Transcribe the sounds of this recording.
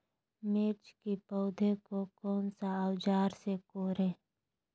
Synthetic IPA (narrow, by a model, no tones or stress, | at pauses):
meːɾt͡ʃkipɔʊd̪ʱẽkokɔːnsaəwd͡ʒaːɾsekoːɾẽː